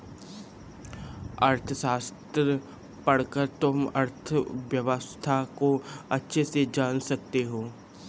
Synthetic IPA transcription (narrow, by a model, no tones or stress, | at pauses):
ɐɾt̪ʰəʃaːst̪ɾə | pɐɽkəɾt̪ʊmɐɾt̪ʰəʋjɐʋəst̪ʰakoɐtːʃʰesed͡ʒaːnsɐk̚t̪eɦoː